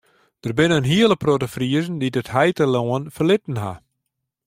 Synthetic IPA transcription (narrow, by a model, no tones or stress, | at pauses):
d̥ərbɪnənɦiələprotəfriəzn̩didəthɛjtəloənfərlɪtn̩ɦa̰